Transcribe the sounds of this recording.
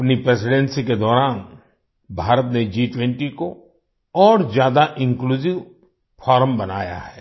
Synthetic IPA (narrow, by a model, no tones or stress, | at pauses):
ɐpnipɾeːsɪɖɛ̃nsiked̪ɔːɾaːn | bʱaːɾət̪ned͡ʒiːʈwɛ̃ɳʈiko | ɔːɾzjaːd̪aʔɪ̃ŋkluːzɪʋ | fʰɔːɾəmbɐna̰ːja̰hɛː